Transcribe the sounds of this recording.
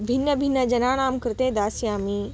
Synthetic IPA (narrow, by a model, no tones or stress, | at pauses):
bʱinːəbʱinːəd͡ʒɐnaːnaːmkɐɾt̪ẽːd̪aːsjaːmiː